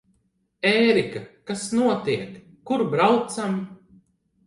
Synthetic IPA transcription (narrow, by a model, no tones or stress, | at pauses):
eːɾikakasnuɔt̪iɛkː | uɾbɾawt̪sam